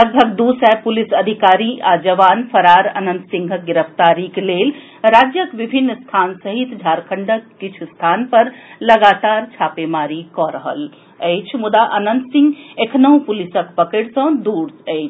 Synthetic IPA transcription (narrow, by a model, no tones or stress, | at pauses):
ləɡ̚bʱək̚d̪uːsɛpʊlisɐd̪ʱikaːɾiʔaːd͡ʒɐʋaːnfʰɐɾaːɾɐ̰nə̃nd̪sɪ̃ŋɡʱɡɪɾəft̪aːɾikleːl | ɾaːd͡ʒjəkʋɪbʱɪnːst̪ʰaːnsəɦit̪d͡ʒʱaːɾkʰəɳɖəkːit͡ʃʰst̪ʰaːnpɐɾlɐɡaːt̪aːɾt͡ʃʰaːpemaːɾikɔɾəɦə̰l | əːt͡ʃʰmʊd̪aʔɐnə̃nd̪sɪ̃ŋɡekʰnəũpʊlɪsəkpɐkeʈsɐ̃d̪uːɽəːt͡ʃʰ